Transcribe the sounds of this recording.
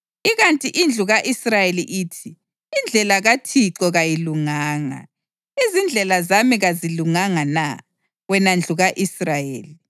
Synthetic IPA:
iɣantʼiʔind͡ɮʱuɣaʔisrajeliʔiːtʰiː | nd͡ɮʱɛlaɣatʰiǁɔɣajiluŋaːŋa̰ | izind͡ɮʱɛlazamiɣaziluŋaŋana | ɣwɛnand͡ɮʱuɣaʔisrajḛːli

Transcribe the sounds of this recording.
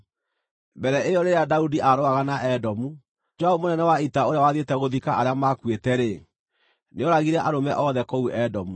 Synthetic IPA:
bɛɾɛejɔɾeɾeadaudiʔaɾoaɣanaʔɛdɔmu | d͡ʒwaomonɛnɛwaitaoɾeawaðetɛɣoðikaʔaɾeamakwetɛɾe | neɔɾaɣiɾɛʔaɾomɛ̰ʔɔðɛkɔuɛdɔmu

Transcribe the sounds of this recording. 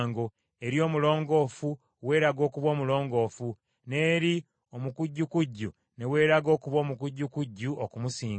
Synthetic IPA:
ŋɡo̞ | e̞ɾjo̞ːmulo̞ːŋɡo̞ːfu | we̞ːɾaɡo̞ːkuβo̞ːmulo̞ːŋɡo̞ːfu | ne̞ːɾi | o̞mukuɟːukuɟːu | ne̞we̞ːɾaɡo̞ːkuβo̞ːmukuɟːukuɟːuokumusiːŋ

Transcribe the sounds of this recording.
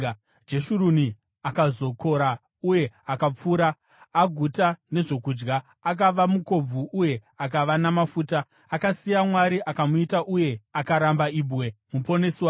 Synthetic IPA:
d͡ʒe̞ʃuɾuni | akazo̞ko̞ɾa | uje̞akap͡fuːɾaː | ɡʱutane̞ʐo̞kud͡ʒɡaː | k̬aʋamuko̞b͡vuʔuje̞ak̬aʋanamafuːtaː | kasijamwaɾiʔakamuitaʔuje̞akaɾambaiːbʱwe̞mupo̞neːswa

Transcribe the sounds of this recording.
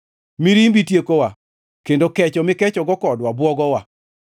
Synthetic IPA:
miɾimbitjekowa | kendokɛt͡ʃɔmɪkɛt͡ʃɔɡɔkɔdwabwɔɡɔwa

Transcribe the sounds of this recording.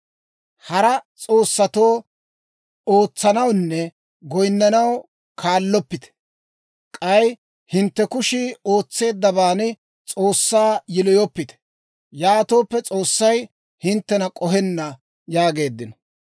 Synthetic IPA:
hɐɾɐt͡sʼo̞ːsːɐt̪o̞ː | oːt͡sːɐnɐwnːɛ | ɡɔjnːɐnɐw | kʰaːlːɔpːɪt̪ɛ̥ | kʼɐj | hɪnt̪ːɛkʊʃɪo̞ːt͡sːe̞ːd̪ːɐbaːnɪ | t͡sʼo̞ːsːaːjɪlɔjɔpːɪt̪ɛ̥ | jaːt̪o̞ːpːɛt͡sʼo̞ːsːɐj | hɪnt̪ːɛnɐkʼɔɦɛnːɐ | jaːɡe̞ːd̪ːɪnɔ

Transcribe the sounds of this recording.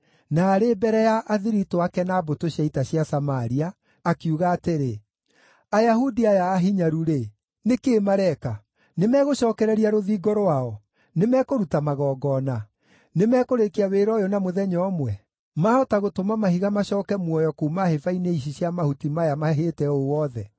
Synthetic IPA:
naːɾebɛɾɛjaʔaðiɾitoakɛnaːbotoɕjaitaɕjasamaɾiaː | kiuɣaːteɾe | ajahudiajaːɦiɲaɾuɾe | nekeːmaɾɛka | nemɛɣoɕɔːkɛɾɛɾiaɾoðiːɡɔɾoaɔ | nemɛkoɾutamaɣɔːɡɔna | nemɛkoɾekiaweɾɔjonamoðɛɲɔmwɛ | maɔtaɣotomamahiɣamaɕɔːkɛmwɔjɔkuːmahefaineiɕ̬iɕjamahutimajamaɦeːtɛowɔðɛ

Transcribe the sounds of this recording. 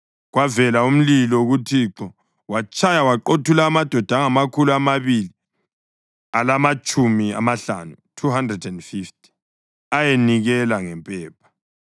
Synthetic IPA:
ɣwavɛlaum̩lilɔuɣutʰiːǁɔ | wat͡ʃʼajawaǃotʰulaːmad̥ʱɔd̥ʱaŋamakʰuluamaβili | alamat͡ʃʼumia̰maɬa̰nutʰuɦandrɛdɛndfifti̥ | ajeniɣɛlaŋɛmpʼɛːp̚ʰḁ

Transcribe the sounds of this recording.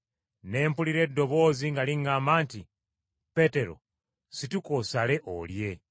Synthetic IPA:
ne̞ːmpuliɾe̞ːdo̞βo̞ːziŋɡaliŋɡaːmaːnti | pe̞te̞ɾo̞̰ | situkosale̞ʔo̰lje̞

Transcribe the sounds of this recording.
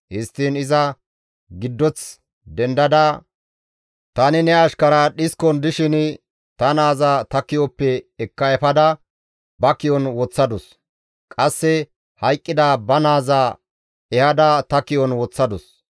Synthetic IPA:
hɪst̪ːiːnɪzɐ | ɡɪd̪ːɔt͡s | d̪ɛnd̪ɐd̪a | t̪ɐnɪnɛɐʃkɐɾɐɗɪskɔnd̪ɪʃɪn | t̪ɐnaːzaːt̪ɐkːɪjɔpːɛːkːɐɛfɐd̪ɐ | bɐkɪjɔnwɔt͡sːɐd̪ɔs | kʼɐsːɛ | hɐjkʼːɪd̪aːbɐnaːzaː | ɛhɐd̪ɐt̪ɐkɪjɔnwɔt͡sːɐd̪ɔs

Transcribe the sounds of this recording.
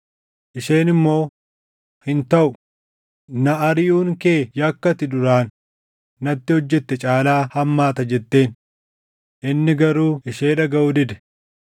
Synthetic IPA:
ʔɪʃe̞ːnɪmːo̞ː | hɪnt̪ɐʔʊ | nɐʔɐɾɪjuːŋke̞ːjɐkːɐt̪ɪd̪ʊɾaːnː | ɐt̪ːɪhɔd͡ʒːɛt̪ːɛt͡ʃʼaːlaːhɐmːaːt̪ɐd͡ʒɛt̪ːe̞ːn | ʔɪnːɪɡɐɾuːɪʃe̞ːᶑɐɡɐʔʊd̪ɪd̪ɛ̥

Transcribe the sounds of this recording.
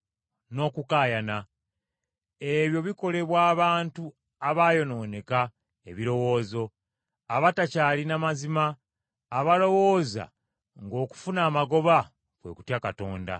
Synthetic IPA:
no̞ːkukaːjana | e̞βjo̞βiko̞le̞βwaːβaːntu | aβaːjo̞no̞ːne̞ka | eβiɾo̞wo̞ːzo̞ | aβatacaːlinamazimaː | βalo̞wo̞ːza̰ | ŋɡo̞ːku̥funaːmaɡo̞βa | kwe̞̰ku̥tjakato̞ːnda̰

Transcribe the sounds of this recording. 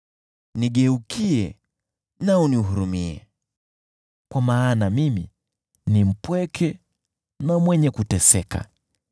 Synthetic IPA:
niɠɛukiɛ | nauniuɦuɾumiɛ̰ | kwamaːnamimi | nim̩pwɛkʰɛ | namwɛɲɛkutɛsɛka̰

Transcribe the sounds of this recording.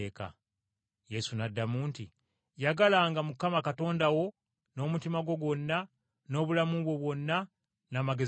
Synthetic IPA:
eːka̰ | je̞sunadːamuːnti | jaɡalaŋɡamukamakato̞ːndawo̞ | no̞ːmutimaɡwo̞ɡwo̞nːa | no̞ːβulamuβwo̞βwo̞nːa | naːmaɡe̞

